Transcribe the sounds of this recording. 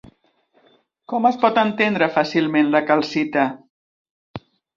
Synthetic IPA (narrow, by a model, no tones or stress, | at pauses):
kɔməspɔt̪ənt̪end̪ɾəfasilˠmenləkəlˠsit̪ə